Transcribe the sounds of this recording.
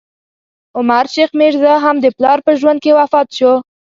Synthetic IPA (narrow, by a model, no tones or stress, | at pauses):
ʊmaɾʃexmeʐzəɦamd̪əplɑɾpəʒwand̪̚kewafɑt̪ʃo